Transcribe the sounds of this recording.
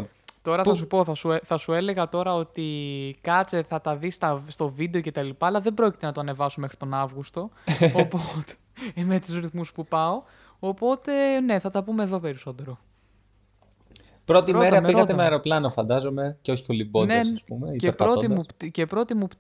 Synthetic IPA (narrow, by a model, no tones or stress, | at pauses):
t̪o̞ɾɐθɐs̬upo̞θɐsueθɐsue̞le̞ɣɐt̪o̞ɾɐo̞t̪ikɐt͡se̞θɐt̪ɐðist̪ɐst̪o̞vid̪eoce̞t̪ɐlipɐːlɐðe̞bɾo̞ci̥t̪enɐt̪oɐne̞vɐsumexɾit̪o̞nɐvɣust̪o̞pot̪e̥ | met̪uzɾiθmuspupɐo̞ | opo̞t̪e̞ne̞θɐt̪ɐpume̞ðo̞pe̞ɾiso̞t̪e̞ɾo̞ | pɾo̞t̪iɾomeɾɐiɐt̪emeɐɾo̞plɐnofɐnd̪ɐzome̞ceo̞çi̥po̞libonesspumeiepɾoimuce̞pɾo̞t̪imup